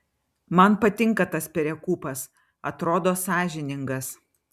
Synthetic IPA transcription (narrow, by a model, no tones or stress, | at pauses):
mɐnpɐt̪ʲɪŋkɐt̪ɐspʲɛɾʲɛkuːpɐs | ɐt̪ɾoːd̪oːsɑːʒʲɪnʲɪŋɡɐs